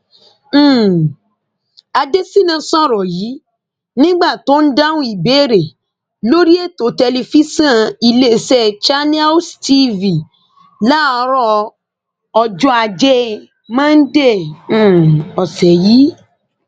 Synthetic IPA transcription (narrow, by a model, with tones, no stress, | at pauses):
a˧de˦si˦nã˧sɔ̃˦˨ɾɔ˨ji˨˦ | nĩ˦ɡ͡ba˦˨to˦n̩˦da˦wũ˦i˦˨be˨˦˨ɾe˨ | lo˦ɾi˦e˦˨to˨˦tɛ˧li˧fi˦sã˦˨i˧le˦˨sɛ˦˨t͡ʃa˦nĩ˦a˦sti˦vi˨ | la˦˨˧ɾɔ˦ | ɔ˧d͡ʒɔ˦a˧d͡ʒe˦ | mã˦n̩˦dẽ˦˨˦ | ɔ˨sɛ˨ji˨˦